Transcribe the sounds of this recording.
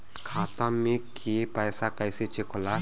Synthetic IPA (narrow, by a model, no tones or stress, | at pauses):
kʰaːt̪ãmẽkʰiepəːsakəjset͡ʃekʰola